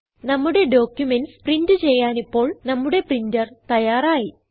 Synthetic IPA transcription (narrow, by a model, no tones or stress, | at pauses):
nɐmːuɽe̞ɖo̞ːkʲjumensprindɨt͡ɕe̞jːaːnipːo̞ːɭnɐmːuɽe̞prindɐrt̪ɐjaːraːji